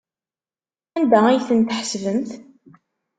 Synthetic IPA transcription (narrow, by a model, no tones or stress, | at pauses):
ænd̪ææjθənt̪ħsvənt̪